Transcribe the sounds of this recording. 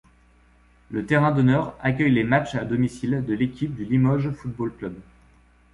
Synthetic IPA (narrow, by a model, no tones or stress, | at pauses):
lət̪eʁɛ̃d̪ɔnœʁak̬ʲœjlemat͡ʃad̪ɔmisild̪əlekʲip̚d̪ylimɔʒfut̪̚bolklœb